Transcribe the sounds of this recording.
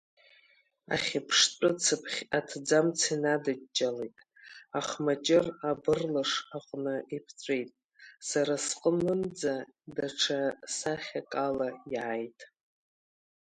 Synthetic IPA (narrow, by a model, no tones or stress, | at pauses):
a̰χʲapʰʂtʼɨt͡sʰɨpʰχʲatʰd͡zamt͡sʰinadat͡ʃʼːalejtʼ | aχmat͡ʃʼɪrabɨrlaʂaqʷʼnɨipʰt͡sʷʼejtʼ | saɾasqʼənɨnd͡zadaʈ͡ʂʰasaχʲakʼalajʕajtʼ